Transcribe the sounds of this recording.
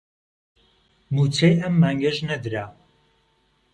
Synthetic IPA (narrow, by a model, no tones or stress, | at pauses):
mut͡sʰejɐmːaːŋɡɐʒnɐd̪ɾa